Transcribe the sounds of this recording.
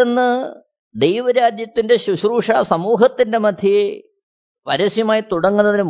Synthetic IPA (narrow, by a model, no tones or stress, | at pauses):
enːɨ | d̪ejʋɐɾaːd̪jɐt̪ːinde̞ɕuɕruːʂaːsɐmuːɦɐt̪ːinde̞mɐd̪ʱi | ʋɐɾɐsjɐmaːjit̪uɽɐŋːunːɐðinm